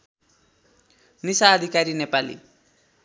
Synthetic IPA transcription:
nisaːd̪ʱikaɾinepalḭ

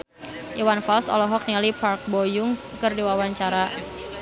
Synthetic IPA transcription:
ʔiwanfalsɔ̰lɔɦɔk̚nialipark̚bɔjʊŋ | kərdiwawaɲt͡ʃaɾa

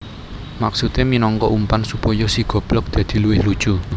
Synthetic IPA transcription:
maksut̪eminɔŋkɔʔumpansupɔjɔsiɡ̥ɔ̤b̥lɔk̚d̪̥ä̤d̪̥i̤luwɪhlu̥t͡ʃu

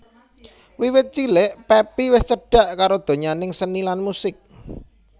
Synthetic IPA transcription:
wiwɪt̪̚t͡ʃilɪʔpɛpiwɪst͡ʃəɖ̥a̤ʔkaɾod̪̥o̤ɲanɪŋsənilanmusɪk̚

